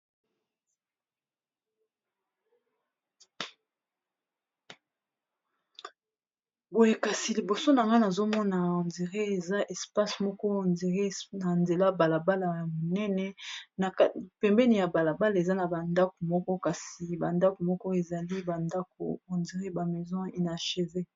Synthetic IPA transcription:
bo˨e˨ka˨si˨li˨bo˨so˦na˨ŋɡa˦na˨zo˦mɔ˦na˨o˨ndi˨ʁe˦e˨za˦ʔɛ˨spa˦smɔ˦kɔ˦˨ndʁe˦na˨nde˨la˦ba˨la˨ba˦la˨ja˨mo˨nɛ˦nɛ˨na˨˦pɛ˨mbɛ˦ni˨ja˨ba˨la˨ba˦la˨e˨za˦na˨ba˨nda˦ko˨mɔ˦kɔ˦ka˨si˨ba˨nda˦ko˨mɔ˦kɔ˦e˨za˨li˦ba˨nda˦ko˨o˨ndi˨ʁe˦ba˨mɛ˨zɔ̃˦e˨na˨ʃe˨ve˦

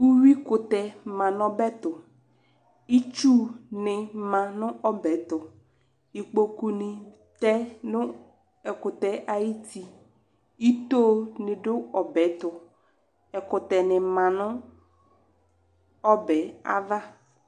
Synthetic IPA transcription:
u˦wi˦kʊ˨t̪ɛ˨mã˨nɔ˦bɛ˦t̪ʊ˨ | i˦t͡ʃu˦nɪ̃˨mã˨nʊ̃˦ʔɔ˦bɛ˨˦t̪ʊ˨ | i˨k͡po˨ku˨nɪ˨ | t̪ɛ˦nʊ̃˦ | ɛ˨kʊ˨t̪ɛ˨ʔa˨ji˦tʰi˨ | i˦t̪o˦nɪ̃˨dʊ˦ɔ˨bɛ˨˦t̪ʊ˨ | ɛ˨kʊ˨t̪ɛ˨nɪ˨mã˨nʊ̃˦ | ɔ˦bɛ˨˦a̰˦va˦

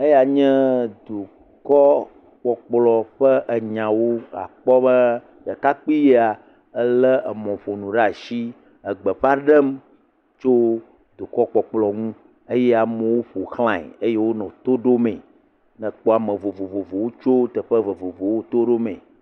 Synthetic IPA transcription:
e˦ja˨ɲɛ̃˦d̪u˨ | kɔ˦ | k͡pɔ˨k͡plɔ˨ɸə˦ʔə˨ɲã˨wo˦a̰˨k͡pɔ˦bə˦ | ɖə˨ka˦k͡pi˦je˦a˨ | ə˦lə˦ʔə˨mɔ̃˨ɸo˨nũ˨ɖa˨ʃi˦ | ə˨ɡ͡bə˨ɸa˦ɖə˦m | t͡ʃo˦ | d̪u˨kɔ˦k͡pɔ˨k͡plɔ˨ŋũ˦ | e˦jɛ˦a˨mɛ̃˨˦wo˦ɸo˨xl̃ã˨ɛ̰˨e˦je˦wo˦nɔ̃˨t̪o˦ɖo˦mẽ˨ | nɛ̃˨k͡po˦a˨mə̃˨vo˨vo˨vo˨vo˨wo˦t͡ʃo˦t̪ə˨ɸə˦və˨vo˨vo˨wo˦t̪o˦ɖo˦mẽ˨

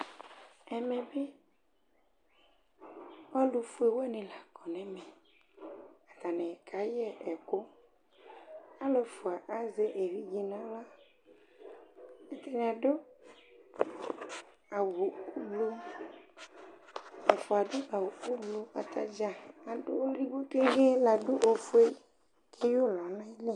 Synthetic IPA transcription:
ɛ˨mɛ̃˨be˦ | wa˦lu˨fu˦e˨wɛ˦nẽ˨la˨kɔ˨nɛ̃˦mɛ̃˨ | a˨d̪a˨nɛ̃˨ka˨˦jɛ˦ʔɛ˨ko˦ | a˦le˨fo˨a˨ʔa˦ze˦ʔe˨vi˦d͡ʑi˦nã˦la˦ | e˦t̪e˦ñ˨a˨ɖo˦ | a˨wo˨˦blu˦ | ɛ˨fo˨a˨ɖo˦a˨wo˨fu˦blu˦a˨t̪a̰˦d͡ʒa˨a˨ɖo˦o˦ɾi˦ɡ͡bo˦ke˦ɣe˦la˨ɖo˦ʔo˨fo˦e˦ | kʰe˦jo˦lɔ˨nã˦i˦le˦˨

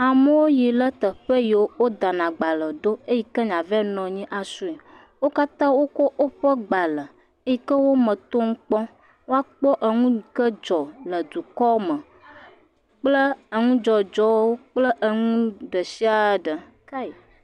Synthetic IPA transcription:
a˨mə˦wo˦ji˨lə˦t̪ə˨ɸə˦ji˨wo˦wo˦d̪a˨nã˨ɡ͡ba˨lə˨ɖo˦e˦ji˦kə˦ɲã˨vɛ˦nɔ̃˨ɲĩ˦ʔa˨su˦i˨ | wo˦ka˦t̪ã˦wo˦kɔ˦ʔo˦ɸə˦ɡ͡ba˨lə˨ | e˦ji˦kə˦wo˦mə̃˨t̪o˦ŋ̩˦k͡pɔ˦ | wo˦a˦k͡pɔ˦ʔə˨ŋũ˦˨kə˦d͡ʒɔ˨lə˨d̪u˨kɔ˦mə̃˨ | k͡plə˦ə˨ŋũ˦d͡ʒɔ˨d͡ʒɔ˦wo˦k͡plə˦ʔə˨ŋũ˦ɖə˨si˦a˨˦ɖə˨

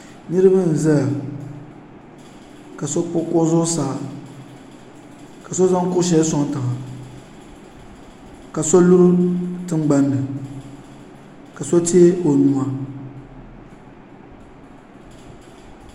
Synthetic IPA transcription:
nɨ˦ɾɨ˦bɨ˦n̩˨za˦a˨ | ka˨so˦k͡pʊ˦kʊ˦zʊ˦saː˨˦˨ | ka˨so˦za˦ŋ˦kʊ˦ʃ̬ɛ˦sɔ˦ŋ˦ta˨ma˨ | ka˨so˦lu˦ɾʊ˦tɨ˦ŋɡ͡ba˦nːɨ˨ | ka˨so˦te˦e˦ʔo˨nu˦a˨

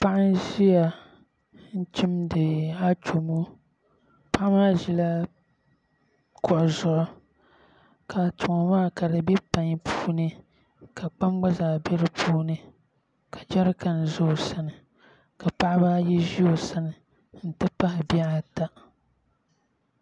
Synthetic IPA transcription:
pa˦ʔɪ˦nʒi˦a˨ | n̩˦t͡ʃi˦mdɨ˨a˦t͡ʃo˨mo˦ | pa˦ʔmaː˦ʒi˦la˦ | kʰɔ˨ʔzʊ˨ʔʊ˦ | ka˨tʊ˨ŋɔ˨maː˦˨ka˨dɨ˨bɛ˦pa˨ɲ˦pʰuː˦nɨ˦ | ka˨k͡pa˦m˦ɡ͡ba˦zaː˨bɛ˦ɾɨ˦pʰuː˦nɨ˦ | kʰa˨d͡ʒa˦ɾka˨n˨zʊ˦˨sa˦nɨ˨ | ka˨pa˦ʔɪ˦baː˦jɛ˦ʒi˦o˨sa˦nɨ˨ | n̩˨tɨ˦pa˦hɪ˨bi˦a˦a˨ta˦

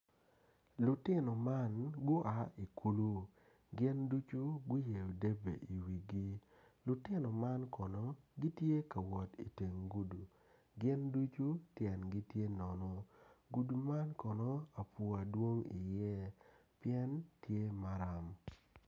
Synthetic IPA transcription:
lʊ˨tɪ˦nɔ˨ma˦nɡʊ˦ʔa˨i˨ku˦lu˦ | ɡɪ˦ndu˦t͡ʃu˦ɡʊ˦je˨o˨de˦bḛ˨ʔi˨wi˨ɡi˦ | lʊ˨tɪ˦nɔ˨ma˦nkɔ˨nɔ˦ɡi˦tje˦ka˨wɔ˨tḭ˨te˨ŋɡu˦du˨ | ɡɪ˦ndu˦t͡ʃu˦tjɛ˨nɡi˦tje˦nɔ˨nɔ˦ɡu˨du˨ma˦nkɔ˨nɔ˦a˨pu˨a˨dwo˦ŋḭ˨jɛ˦pɪɛ˦ntʰje˦ma˨˦ɾa˦˨m

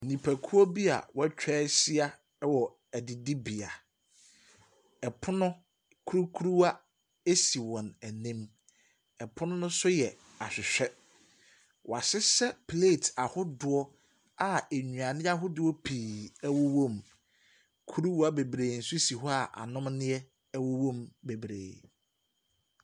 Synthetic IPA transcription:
nĩ˨pʰæ˨kʰu˦ɔ˦bi˦a̰˨wɔ˦t͡ɕᶣɛː˦si˦a˦ | wɔ˨ | æ˨dɪ˨di˦bi˨a˨ | ɛ˨pʰʊ˦nʊ̃˦ | kʰu˦ɾu˦kʰu˦ɾu˦wa˦ | e˦si˨wɔ̃˨næ˨nĩ˦m | ɛ˨pʰʊ˦nʊ̃˦nʊ̃˦sʊ˦jɛ˨ | a˨ɕᶣɪ˨ɕᶣɛ˦ | wʔa˨sɪ˦sɛ˦pʰleː˦˨tʰa˨hʊ˦dʊ˨ɔ˦ | a˨e˨ɲᶣũ˨ã˨nɪ̃˦a˦ɦʊ˦dʊ˦wɔ˦pʰiː˨ɛ˦wo˦wõ˦˨m | kʰu˦ɾu˦wa˦be˨bɾeː˨n̩˨sʊ˦si˨ɦɔ˦a˨ʔa̰˨nʊ̃˦mnɪ̃˦ɛ˦ | wo˦wõ˦˨mbe˨bɾḛː˨

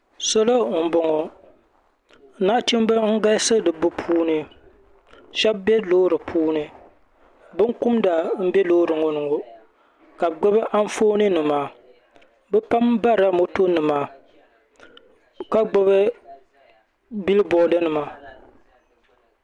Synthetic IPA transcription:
sɔ˦lo˦˨bo˨ŋɔ˨˦ | na˦ʔti˦m˦ba˦ŋ̩˦ɡa˦sɨ˦dɨ˨bʊ˦pʰuː˦nɨ˨ | ʃɛ˦bbɛ˦loː˦ɾɨ˨pʰuː˦nɨ˨ | bɨ˦ŋkʊ˦mda˨m̩˦bɛ˦loː˦ɾɨ˨ŋɔ˨nɨ˨ŋo˨ | ka˨bɡ͡ba˦bɨ˦ʔa˦ɱ˦foː˦nɨ˦nɨ˨maː˨ | bɛ˦pa˦mba˦ɾa˦mo˦to˦nɨ˨maː˨ | ka˦ɡ͡ba˦βɨ˦ | bi˦lɨ˦bɔ˨˦dɨ˦nɨ˨ma˨

